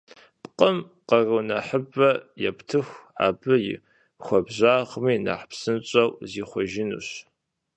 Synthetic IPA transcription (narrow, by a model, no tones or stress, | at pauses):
pqʼəm | qɐrɨwnɐħəbɐjɛptʰɨxʷa̰ːbɨjɪ̰ | xʷɔbʑaːʁmiːna̰ħpsɨnt͡ʃʼɐwziːχʷɔʒɪnṵɕ